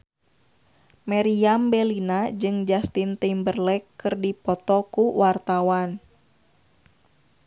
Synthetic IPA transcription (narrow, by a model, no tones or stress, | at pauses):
maɾiambɛlinad͡ʒɨŋd͡ʒast̪int̪imbərlɛkːɨrdipɔt̪ɔkuwart̪awan